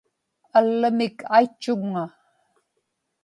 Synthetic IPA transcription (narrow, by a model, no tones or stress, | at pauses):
alːəmɪkʰajt͡ʃːʊŋŋa